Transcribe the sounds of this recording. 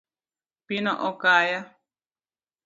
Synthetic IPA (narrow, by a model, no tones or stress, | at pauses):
pinõʔokaja